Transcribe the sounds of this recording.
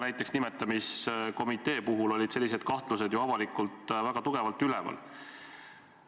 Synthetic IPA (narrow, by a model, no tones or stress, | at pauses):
næjt̪ːˑeksnimet̪ːˑɑmisko̞mit̪ˑe̞ːpuɦulo̞lʲid̪̥se̞lʲːise̞d̪̥kɑht̪luse̞d̪joɑvɑlikult̪væɡ̥ɑt̪uɡ̥e̞vɑlt̪ylɛ̰vɑ̰l